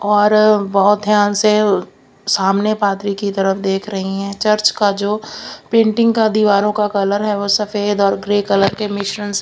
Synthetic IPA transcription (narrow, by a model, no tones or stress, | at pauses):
ɔːɾbɔːt̪̚d̪ʱjaːnse | saːmnepaːt̪ɾikit̪ɐɾəfʰd̪eːkʰɾɐɦiɦɛ̃t͡ʃɐɾt͡ʃkad͡ʒoːpẽːɳʈɪ̃ŋɡkad̪iːʋaːɾõkakɐləɾɦɛʋoːsɐfeːd̪ɔːɾɡɾeːkɐləɾkemɪʃɾəns